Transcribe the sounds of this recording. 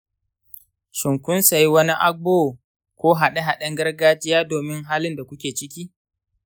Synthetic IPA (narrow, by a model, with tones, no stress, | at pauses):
ʃɪ˨ŋkʷʊ˦nsa˨ji˦wɐ˦ni˦ʔa˦boː˦˨ | kʷoː˦ɦa˨ɗe˦ɦa˨ɗɐ˦ŋɡɐ˦rɡaː˦d͡ʒɪ˦jaː˦doː˨mɪ˦ŋɦaː˦lɪ˦nda˨kʷʊ˦kʲeː˨t͡ʃɪ˦kʲiː˦